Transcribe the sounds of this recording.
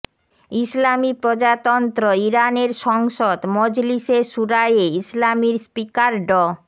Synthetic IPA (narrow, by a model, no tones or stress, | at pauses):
islamipɾod͡ʑat̪ɔnt̪ɾoiɾaneɾʃɔŋʃod̪mɔd͡ʑliseʃuɾajeislamiɾspikaɾɖɔ